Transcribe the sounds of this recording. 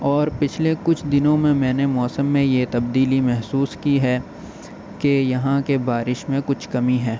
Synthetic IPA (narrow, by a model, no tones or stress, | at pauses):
ɔːɾpɪt͡ʃʰlekʊt͡ʃʰd̪ɪnõmẽmɛ̃ːnemɔːsəmːẽjet̪ɐbd̪iːlimɛɦsuːskiɦɛː | kejɐɦãkebaːɾɪʃmẽkʊt͡ʃʰkɐmiɦɛ̃ː